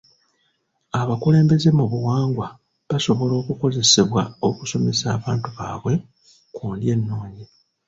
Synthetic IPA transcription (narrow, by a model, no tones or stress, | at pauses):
aβakule̞ːmbe̞ze̞muβuwaːŋɡwa | βaso̞βo̞lo̞ːkuko̞ze̞seβwaoku̥so̞me̞saːβaːntuβa̰ːβwe̞ | kuːndje̞nːo̞ːɲi